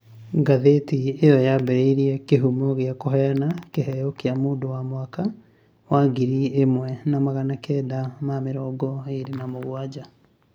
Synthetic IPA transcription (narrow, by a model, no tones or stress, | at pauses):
ɡaðetiejɔjabɛɾeiɾiɛkeɦumɔɣeakoɦɛjanakeɦɛjɔkeamoːndowamwaka | waɡiɾiemwɛnamaɣanakɛːdamameɾɔːɡɔeɾenamoɣwad͡ʑa